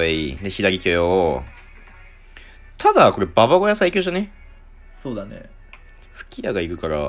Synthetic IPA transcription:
aineçid̪aɾʲikʲojo | t̪ʰad̪ako̞ɾe̞baβaɡo̞jasaikʲoːʑane | soːd̪anḛ | ɸɯ̟̥kʲijaɡaikɯ̟kaɾa̰

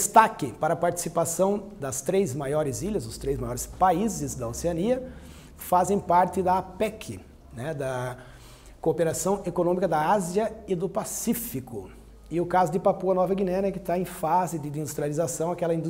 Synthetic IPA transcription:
d̪st̪akɪpaɾɐpaɾt͡ʃ̪i̥sipasɐ̃w̃d̪ɐst̪ɾejzmajɔɾɪziʎɐzʊst̪ɾejzmajɔɾɪspaizɪzd̪ɐoseɐniɐ | fazẽj̃paɾt̪ɪd̪ɐapɛkʰɪ | nɛd̪ɐ | kopeɾasɐ̃w̃ekonõmikɐd̪ɐaziɐɪd̪ʊpasifikʊ | ɪʊkazʊd̪ɪpapuɐnɔvɐɡinẽnɐɛkɪt̪aẽj̃fazɪd̪ɪd̪ĩd̪ust̪ɾializasɐ̃w̃akɛlɐĩnd̪u

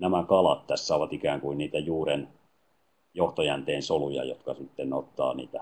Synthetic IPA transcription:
næmækɑlɑt̪t̪æsːæoʋɑt̪ikæːŋkuinniːt̪æjuːren | joht̪ojænt̪eːnsolujɑ̰jo̰t̪kɑsit̪ːenot̪ːɑ̰ːnḭːt̪æ

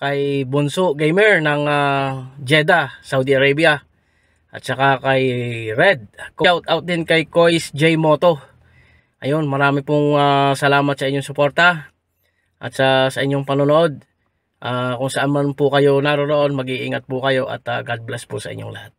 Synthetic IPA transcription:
kɐjbʊnsʊʔɡejmɛɹnɐŋad͡ʒɛd̪asawd̪iʔɐɾabjɐ | ʔɐt̪̚sɐkakɐjɾɛd̪̚kʊʔawt̪awt̪̚d̪ɪnkɐjko̞jsd͡ʒɛjmo̞ːt̪o̞ | ʔɐjo̞nmɐɾaːmɪpʊŋasɐlaːmɐt̪sɐʔɪɲːoŋsʊpo̞ɾt̪a | ʔɐ̰t̪̚sasɐʔɪɲːoŋpɐnonoʔo̞d̪̚ | ʔakʊŋsɐʔanmanpʊkɐjo̞naɾoɾoʔo̞nmɐɡiʔiŋɐt̪̚pʊkɐjo̞ʔɐ̰t̪aɡad̪̚blɛspʊsɐ̰ʔɪ̰ɲːoŋlɐhat̪̚

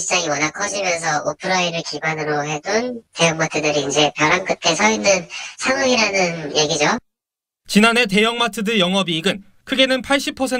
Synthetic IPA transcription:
t͡ɕaŋiwʌnakʰʌd͡ʑimjʌns̬ʰʌʔopʰɯɾaiɾɯɭkiɡwanɯɾoɦe̞donte̞jʌŋmatʰɯdɯɾiːnd͡ʑe̞pjʌɾankʰɯtʰe̞sʰʌinːɯnsʰaŋɯŋiɾanɯnje̞ɡid͡ʑo | t͡ɕinane̞t̬e̞jʌŋmatʰɯdɯjʌŋʌbiːɡɯn | kʰɯɡe̞nɯnpʰaɭɕ͈ipʰʌsʰe

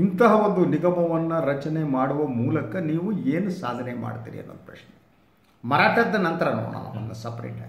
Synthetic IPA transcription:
int̪ɐɦɐʋond̪uniɡɐmɐʋɐnːɐɾɐt͡ʃɐnemaːɽuʋɐmuːlɐkɐniːʋueːnusa̰ːd̪ʱɐnema̰ːɽt̪ḭːɾiɐ̰nːond̪ɐpɾɐ̰ʃne | mɐɾaːʈɐd̪ːɐnɐnt̪ɐɾɐnṵːɳɐ̰lɐ̰ɐ̰nd̪ɐsɐpɾḛːʈː

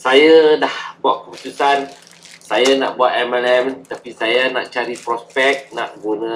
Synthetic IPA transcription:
sajadahbuaʔkəput̪usan | sajana̰ʔbuaʔ̪ɛmalɛmt̪apisajana̰ʔt͡ʃaɾipɾɔspɛk̚naʔɡunã

